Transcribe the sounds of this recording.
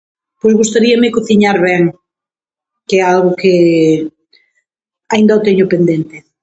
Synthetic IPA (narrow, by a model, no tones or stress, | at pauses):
pojzɣust̪aɾiɐmɪkoθiɲaɾβɛŋ | kɛalɣʊke | aind̪aot̪eɲopend̪ent̪ɪ